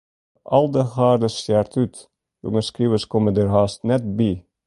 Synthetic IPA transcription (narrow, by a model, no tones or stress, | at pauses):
ʔɑ̰lˠd̪əhɑːɾd̪əsæːɾt̪ʰʉːt̪ | ʉ̰ŋəskɾiːʋəskɔməd̪eɾhɑːst̪nɛt̪̚biː